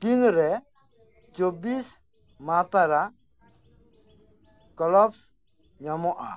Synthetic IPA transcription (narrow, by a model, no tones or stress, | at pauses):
pinɾɛ | t͡ʃobis | mapaɾa | kɔlɔps | ɲamɔʔa̰